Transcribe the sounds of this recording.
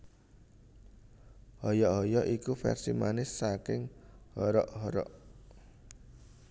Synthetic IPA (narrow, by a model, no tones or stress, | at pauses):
hɔjɔɦɔjɔʔikufɛ̰rsimanɪsːakɪŋhɔɾɔʔɦɔɾɔ̰ʔ